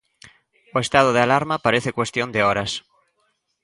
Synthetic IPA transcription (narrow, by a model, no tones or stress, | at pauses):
oest̪að̞oð̞ealaɾmapaɾeθekwe̞st̪jond̪eoɾas